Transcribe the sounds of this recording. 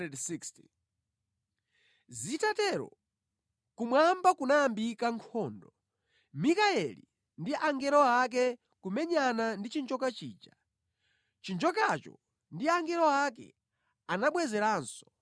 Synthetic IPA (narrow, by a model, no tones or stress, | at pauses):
ɛdsiksti | zitatɛɾɔ̰ | kumwambakunaambikaŋkʰɔːndɔ | mikaɛlḭ | ndiʔaŋɡɛɾɔak̬ɛ | kumɛɲanandit͡ʃind͡ʒɔkat͡ʃḭːd͡ʒa | t͡ʃind͡ʒɔkat͡ʃɔ̰ | ndiaŋɡɛɾɔakɛ̰ | anaɓwɛzɛɾaːnsɔ̥